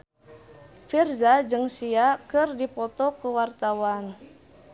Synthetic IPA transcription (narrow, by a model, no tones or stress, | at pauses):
firzad͡ʒɨŋsiakɨrdipɔt̪ɔkuwart̪awan